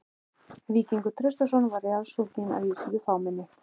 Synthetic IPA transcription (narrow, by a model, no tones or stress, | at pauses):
viːciŋkʏt̪ʰɾʏst̪asɔnvaɾɪalsult̪ina̰ðjɛsiðɪfawmɛnːɪ